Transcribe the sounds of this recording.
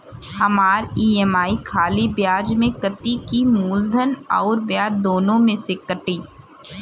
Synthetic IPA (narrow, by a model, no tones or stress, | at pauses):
hɐmaːɾiːɛmaːikʰaːlibjaːd͡ʒmẽkət̪ikimuːld̪ʱənɔ̰ːɾbjaːd͡ʒd̪oːnõmẽsekəʈiː